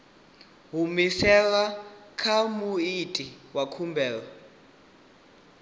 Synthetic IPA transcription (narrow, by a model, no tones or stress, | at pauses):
ɦumisɛlakʰamuitʼiwakʰumbʱɛːla